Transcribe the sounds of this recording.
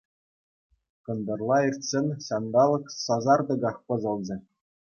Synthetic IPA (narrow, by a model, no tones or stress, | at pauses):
kɤ̆nd̪ɤ̆rlˠɑirʲtʲsʲĕnʲɕɑnd̪ɑlˠɤ̆ksɑzɑrd̪ɤ̆ɡɑχpɤ̆zɤ̆lˠd͡ʑɘ̆